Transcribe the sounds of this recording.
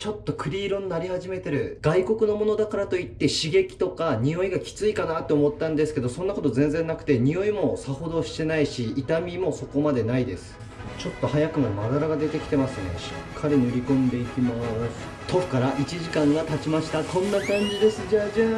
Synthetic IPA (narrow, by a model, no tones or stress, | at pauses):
t͡ɕo̞t̪ːo̞kʰɯ̟ɾʲiːɾõ̞nnːaɾʲihaʑime̞t̪e̞ɾɯ̟ɡ̥aiko̞kɯ̟no̞mo̞no̞d̪akaɾat̪o̞it̪ːe̞ɕiɡe̞kʲi̥t̪o̞kaɲ̟io̞iɡakʲi̥t͡sɨikanat̪ːe̞omo̞t̪ːãnd̪esɨ̥ke̞d̪o̞sõ̞nːako̞t̪o̞zẽ̞nzẽ̞nːakɯ̟t̪e̞ɲ̟io̞imo̞saho̞d̪o̞ɕi̥t̪e̞naiɕiːt̪amʲimo̞so̞ko̞mad̪e̞naid̪e̞sɨ̥ | t͡ɕo̞t̪ːo̞hajakɯ̟mad̪mad̪aɾaɡad̪e̞t̪e̞kʲi̥t̪e̞masɨne̞̰ɕɨ̥̰kkʰːaɾʲenɯɾʲikõ̞nd̪e̞ikʲimasɨ̥ | t̪ʰo̞ɸɯ̟̥kaɾaʔit͡ɕiʑikãɰ̃ɡat̪at͡ɕimaɕi̥t̪akʰõ̞nːakãɲ̟d͡ʑid̪e̞sɨʑaːd͡ʑaː